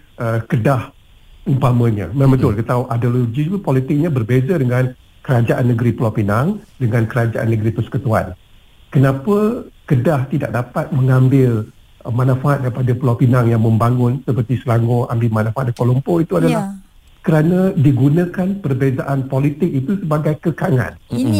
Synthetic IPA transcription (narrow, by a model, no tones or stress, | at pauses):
ʔəkədah | umpamə̃ɲã̰mãbət̪ʊlkət̪auʔadoloɡipolit̪ɪk̚ɲãbərbezadəŋãn | kəɾad͡ʒaʔanːəɡəɾipəlapinaŋdəŋãnkəɾad͡ʒaʔa̰nːəɡɾipəsə̥kət̪ua̰n | kənãpəkədaht̪idak̚dapat̪̚məŋãmbɪl | manãfaʔat̪̚daipadapəlapinaŋjaŋmə̃mbaŋʊnsəpərt̪isəlaŋoa̰mbɪlmanãfat̪̚dakolompoit̪uadalah | kəɾanadiɡunãkanpərbezaʔanpolit̪ɪk̚it̪usəbaɡajkəkaŋa̰n